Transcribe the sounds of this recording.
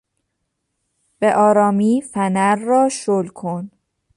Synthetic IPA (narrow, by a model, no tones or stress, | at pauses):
b̥eʔɒːɾɒːmiːfænæɾːɒːʃolkʰon